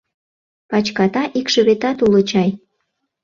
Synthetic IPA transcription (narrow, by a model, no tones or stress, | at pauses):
pɑt͡ɕkɑt̪ɑʔikʃə̆βet̪ɑt̪ulot͡ɕɑj